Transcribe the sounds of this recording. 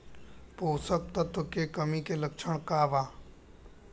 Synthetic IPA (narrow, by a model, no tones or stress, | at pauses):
poːsək̚t̪ət̪okekəmikeləkt͡ʃʰəɳ̃kaːʋaː